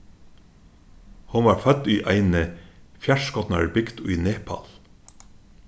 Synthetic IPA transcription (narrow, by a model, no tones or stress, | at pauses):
hʊnʋɑːɹfœd̪iːʔæɪnəfjæʃkɔt̪nɑ̰ɹbɪkt̪oːiːneːpʰɑ̰l